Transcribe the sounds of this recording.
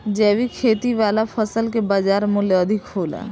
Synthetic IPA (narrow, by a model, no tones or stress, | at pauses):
d͡ʒɛːʋikʰeːt̪iʋaːlapʰəsəlkebaːd͡ʒaːɾmʊljoəd̪ʱɪkɦoːla̰ː